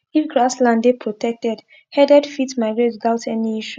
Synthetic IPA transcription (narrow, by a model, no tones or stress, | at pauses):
ifɡɹaslãndepʰɹɔtʰɛk̚tɛd̥ | hɛdɛdfitmaɪɡɹetwɪθaʊtʰɛniiʃu